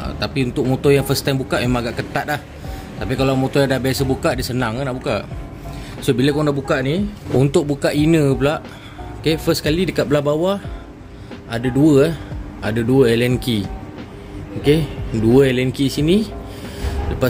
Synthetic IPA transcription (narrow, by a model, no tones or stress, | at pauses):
t̪apiunt̪ʊk̚mot̪ojaŋfəst̪ajmbukaʔmemãŋaɡaʔkət̪at̪̚lah | t̪apikalamot̪ojãdabasəbukaʔdisənaŋnaʔbukaʔ | sobiləkoŋndaʔbukaʔniunt̪ʊk̚bukaʔinəpəlaʔ | okefəskalidəkat̪̚bəlahbawa | adaduəaadaduəɛlɛnki | okeduəɛlɛnkisini | ləpa